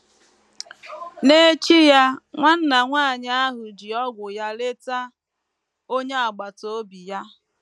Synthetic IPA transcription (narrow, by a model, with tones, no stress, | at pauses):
ne˦t͡ʃi˦ja˦ŋʷa˦n̩˦na˨ŋʷaː˦˨ɲ˦a˦ɦʊ˨d͡ʒi˨ɔ˦ɡʷʊ˨ja˦le˦ta˦ | o˦ɲe˦a˨ɡ͡ba˨to˦bi˨ja˦